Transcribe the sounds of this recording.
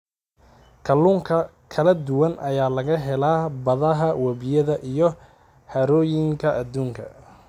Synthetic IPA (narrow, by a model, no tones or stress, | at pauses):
kʰɐlːuːŋkʰɐ | kʰɐlɐd̪ʊwɐnʔɐjaːlɐɣɐɦɛlaːbɐðɐɦɐwɐβɪjɐðɐʔijɔ | hɐɾɔːjɪŋkʰɐʔɐd̪uːŋkʰɐ̰